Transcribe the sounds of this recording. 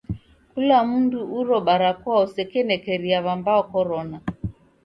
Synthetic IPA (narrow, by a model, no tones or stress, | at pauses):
kulamunduʔuɾɔɓaɾakwausɛkɛnɛkɛɾiaβambaɔkɔɾɔna